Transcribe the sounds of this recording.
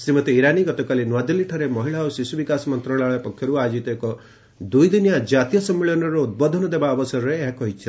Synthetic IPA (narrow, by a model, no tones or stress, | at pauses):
semɔt̪eiɾaniɡɔt̪ɔkalinwad̪iliʈʰɔɾemɔɦiɭaosisubikasɔmɔnt̪ɾɔɭaɭɔpɔkʰjɔɾuad͡ʒit̪ɔekɔ | d̪ujd̪injad͡ʒat̪ijɔsɔmːiɭɔnɔɾɔud̪̚bɔd̪ʱɔnɔd̪ebaɔbɔsɔɾɔɾeːɦakɔɦit͡ʃʰi